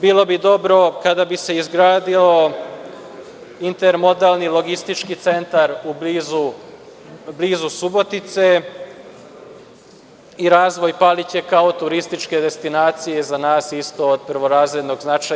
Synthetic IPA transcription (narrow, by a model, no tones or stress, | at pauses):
biːlˠo̞bid̪o̞bɾo̞kad̪abise̞izɡɾaːd̪io | int̪eɾmo̞d̪alˠnilo̞ɡist̪it͡ʃkit̪se̞nt̪aɾubizu | bliːzusubo̞t̪it̪se̞ | iɾaːzʋo̞jpalit͡ɕe̞kaot̪uɾist̪it͡ʃke̞d̪e̞st̪inaːt̪sijezanaːsist̪o̞ːd̪̚pɾʋo̞ɾaːzɾed̪no̞ɡznat͡ʃa